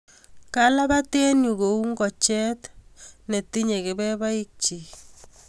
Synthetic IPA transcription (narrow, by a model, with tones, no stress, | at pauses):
kala˦ba˦tɛ˦nju˨ko˨u˦ŋɡɔ˨t͡ʃɛ˦t̪ne˨t̪i˦ɲe˨kɪ˨bɛ˦ba˦i˦k̚t͡ʃi˨